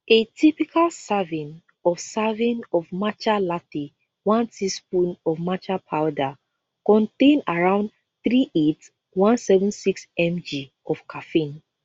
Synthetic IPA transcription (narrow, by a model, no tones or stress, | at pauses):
etʰipikʰalsavĩn | ɔfsavĩnɔvmat͡ʃalati | wãntispũnɔvmat͡ʃapʰaʊda | kɔ̃ntẽnaɹãʊ̃nd | θɹiʔet | wãnsɛvə̃nsiksɛ̃md͡ʒi | ɔfkʰafĩn